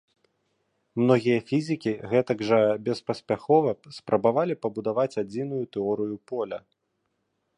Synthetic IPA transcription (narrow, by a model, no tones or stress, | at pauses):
mnɔɣʲijɐfʲizʲikʲiɣɛt̪ɐɡʐɐbʲɛspɐsʲpʲaxɔvɐspɾʔɐbavalʲipɐbud̪avat͡sʲad͡zʲinujut̪ɛɔɾɨjupɔlʲɐ